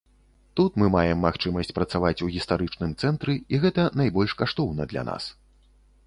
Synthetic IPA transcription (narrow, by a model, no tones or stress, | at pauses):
t̪ut̪mɨmajɛmːaxt͡ʂɨmɐsʲt͡sʲpɾɐt̪savat͡sʲuɣʲist̪aɾɨt͡ʂnɨmt̪sɛnt̪ɾɨiɣɛt̪ɐnajbɔlʲʂkaʂt̪ɔwnɐd̪lʲa̰na̰s